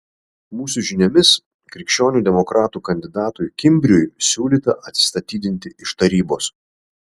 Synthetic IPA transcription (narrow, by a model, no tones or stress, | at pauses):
muːsʊʒʲɪnʲɛmʲɪs | kɾʲɪkʃʲt͡ʃʲoːnʲuːd̪ʲɛmɔkɾɑːt̪uːkɐnʲd̪ʲɪd̪ɑːt̪ʊjkʲɪmʲbʲɾʲʊjsʲuːlʲiːt̪ɐʔɐt̪ʲsʲɪ̥st̪ɐt̪ʲiːd̪ʲɪnʲt̪ʲɪʔɪʃt̪ɐɾʲiːboːs